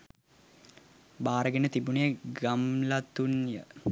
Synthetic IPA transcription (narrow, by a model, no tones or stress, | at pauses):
baːɾəɡenət̪ibunijəɡɐmlɐt̪unjə̰